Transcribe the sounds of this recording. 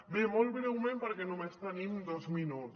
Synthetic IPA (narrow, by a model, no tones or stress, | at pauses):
bemolβɾewmempaɾkenomest̪animd̪ozminut